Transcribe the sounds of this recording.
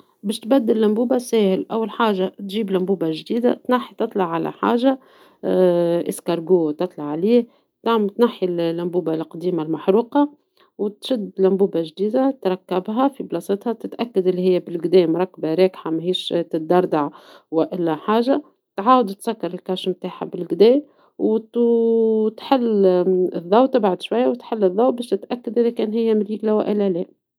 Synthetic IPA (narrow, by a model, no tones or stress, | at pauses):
bɛːʃt̪bæd̪ːɪlːæmbuːbasɛːhɪlʔæwːalħaːʒat̪ʒiːblæmbuːbaʒd̪iːd̪a̰t̪naħːit̪ɨt̪ˤlɑʕːalæ̰ħa̰ːʒa | ʔɪ̰skɑɾˤɡuːt̪ɨt̪ˤlɑʕʕliːh | t̪aʕmt̪naħːillːæmbuːbalqd̪iːmalmaħɾuːqɑ | wt̪ʃɪd̪ːlæmbuːbaʒd̪iːd̪at̪ɾˤɑkːæbɦæfiblɑsˤɪt̪hɑt̪ɪt̪ʔækːad̪ʔɪlːihɪjːæbɪlɡd̪ɛːmʊɾˤɑkːbaɾɑːkħamæɦhiːʃt̪ɪt̪̚d̪ɑɾˤd̪aʕwɪʔɪlːæħaːʒa | t̪ʕaːwd̪t̪sækːɑɾˤɪlkɑʃmt̪aːħa̰bɪlɡd̪ɛː | wt̪ | t̪ħɪlːɪðˤːɑwt̪ːɪbʕad̪ʃwajːawt̪ħɪlːɨðˤːɑwbɛːʃt̪ɪt̪ʔækːad̪ʔɪðækɛːnɦɪjːæmɪliːɡlæwʔɪlælɛː